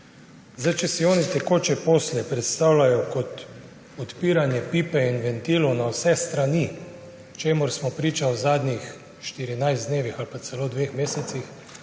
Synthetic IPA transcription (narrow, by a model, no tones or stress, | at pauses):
zajt͡ʃɛsiɔːnit̪ɛkoːt͡ʃɛpoːslɛpɾɛt̪st̪aːwlajɔkɔt̪ | ɔt̪piːɾanjɛpiːpɛinʋɛnt̪iːlɔwnawsɛst̪ɾani | t͡ʃeːmʊɾsmɔpɾiːt͡ʃawzaːd̪nʲix | ʃt̪iɾinajzd̪neːʋixalpat̪sɛloːd̪ʋeːxmeːsɛt̪six